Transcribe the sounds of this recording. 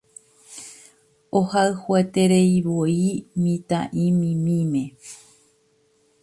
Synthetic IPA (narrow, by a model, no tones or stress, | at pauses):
ohaɨhuet̪eɾeiβoimĩt̪ã̰ʔĩmĩmĩmẽ